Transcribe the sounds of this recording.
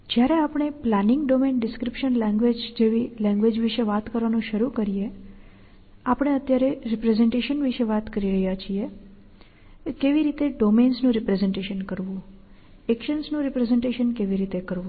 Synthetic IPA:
d͡ʒjaɾeapɳ̃eplanɪŋɡɖomenɖɪskɾipʃənlɛ̃ŋɡʋed͡ʒd͡ʒeʋilɛ̃ŋɡʋed͡ʒʋiʃeʋat̪kəɾʋanũʃəɾukəɾije | apɳ̃eət̪jaɾeɾipɾezeɳʈeʃənʋiʃeʋat̪kəɾiɾəɦjat͡ʃʰie | keʋiɾit̪eɖomensnũɾipɾezeɳʈeʃənkəɾʋũ | ekʃənsnũɾipɾezeɳʈeʃənkeʋiɾit̪ekəɾʋũ

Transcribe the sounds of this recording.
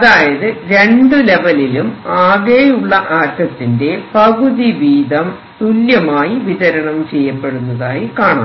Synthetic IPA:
ɐðaːjɐðɨɾe̞ɳɖɨle̞ʋɐlilumaːɣejuɭːɐʔaːɾkɐt̪ːinde̞pɐɣuðiʋiːd̪ɐm | t̪uljɐmaːjiʋiðɐɾɐɳɐmt͡ɕejːɐpːe̞ɽunːɐðaːjikaːɳa̰ː

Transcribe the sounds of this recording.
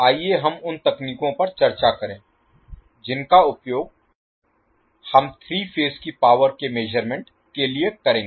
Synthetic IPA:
aːieɦɐmʊnt̪ɐkniːkõpɐɾt͡ʃɐɾt͡ʃakɐɾẽː | d͡ʒɪnkaʊpjoːɡ̚ | hɐmt̪ʰɾiːfʰeːskipaːʋəɾkemeːd͡ʒəɾmẽɳʈ | keliekɐɾẽːɡeː

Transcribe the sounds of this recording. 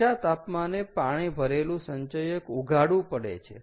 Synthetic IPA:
at̪apmanepaɽ̃ibʱəɾelũsəɲt͡ʃəjəkuɡʱaɽũpəɽḛt͡ʃʰḛ

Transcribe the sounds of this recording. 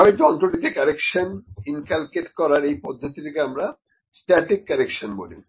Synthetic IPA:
abed͡ʑɔnt̪ɾoɖit̪ekaɾekʃoninkalkeʈkɔɾaɾejpɔd̪ʱːot̪it̪ʰekeamɾa | sʈaɾʈikːaɾekʃonbo̰lḭ

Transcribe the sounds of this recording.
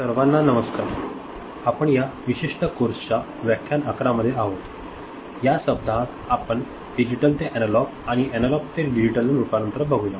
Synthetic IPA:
səɾʋanːanəməskaɾ | apəɳjaʋiɕiʂʈəkoɾsət͡ɕa | ʋjakʰːjanəkɾaməd̪ʱːjeaɦot̪ | jasəb̚d̪ʱat̪ | apəɳ | ɖid͡ʑiʈəlt̪eʔɛnəlɔk̚aɽ̃iɛnəlɔk̚t̪eɖid͡ʑiʈəlːunupanənt̪ɾəbʱəɡʱujã

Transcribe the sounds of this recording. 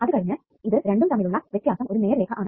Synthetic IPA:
ɐðɯkɐɽɐɲːɐ | ɪðɯɾɛɳɖɯmt̪ɐmɪlɯɭːɐʋɛt̪ːjaːsɐmɔɾɯneːɐɾleːɣɐʔaːɳ

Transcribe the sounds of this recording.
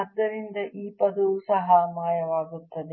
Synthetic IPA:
ɐd̪ːɐɾind̪ɐʔiːpɐd̪usɐɦɐmaːjɐʋaːɡut̪ːɐd̪e

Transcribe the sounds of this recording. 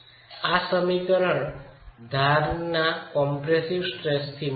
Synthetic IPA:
asəmikɔɾɔɳd̪ʱaɾnakɔmpɾesiwsʈɾest̪ʰim

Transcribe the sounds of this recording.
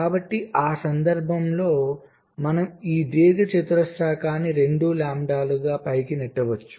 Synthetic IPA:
kaːbɐʈːiaːsɐnd̪ɐɾbʱɐmlo̞ː | mɐnɐmiːd̪iːɡɐt͡ʃit̪ɾɐsaːkʰaːniɾe̞ɳɖulaːmɖaːluɡaːpɐjkinɛʈːɐʋɐt͡ʃːu̥

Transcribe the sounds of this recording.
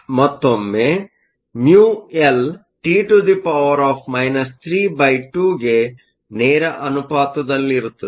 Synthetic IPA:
mɐt̪ːomːe | mjuːel | ʈiːʈud̪ipɐʋɐɾaːpʰmɐjnɐst̪ʰɾiːbɐjʈuːɡe̞ | neːɾɐʔɐnupaːt̪ɐd̪ɐlːiːɾut̪ːɐ

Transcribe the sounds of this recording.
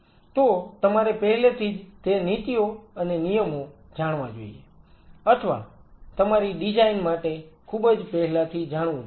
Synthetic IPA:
t̪ot̪əmaɾepɛɦlet̪ʰid͡ʒt̪enit̪ijoənenijəmo | d͡ʒaːɽʋãd͡ʒo̰ːḭe | əʈʰʋa̰t̪əmaɾiɗɪd͡ʒaːinmaʈekʰubəd͡ʒpɛɦlat̪ʰid͡ʒaːɽ̃ʋũ

